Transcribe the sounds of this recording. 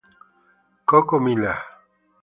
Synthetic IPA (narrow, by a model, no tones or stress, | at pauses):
kokomila